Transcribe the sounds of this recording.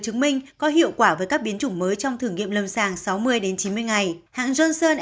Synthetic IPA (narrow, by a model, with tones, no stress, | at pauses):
t͡ɕɨ˨˦ŋmï˧ŋ̟kɔ˨˦ɦḭ˧˨əwkwaː˧˩vəː˨˦jkaː˦˥k̚ɓi˨˦ənt͡ɕʊ˧˩ŋ͡mməː˨˦jt͡ɕɔ˧wŋ͡mt̪ʰɨ˨˩əŋḭ˧˨əmlə˨˩msaː˨˩ŋsa˨˦wmɨ˧əjɗe˨˦nt͡ɕi˨˦nmɨ˧əjŋa˨˩jha̰ː˧˨ŋzəː˧nsəː˧nʔ